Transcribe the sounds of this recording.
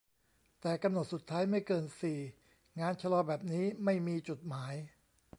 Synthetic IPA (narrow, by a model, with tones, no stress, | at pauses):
t̪ɛː˨˩ka˧mno˨˩t̪̚su˨˩t̪ʰːaː˦˥jma˥˩jkɤː˧nsiː˨˩ | ŋaː˧nt͡ɕʰa˧lɔː˧bɛː˨˩p̚niː˦˥ma˥˩jmiː˧t͡ɕu˨˩t̪̚maː˩˦j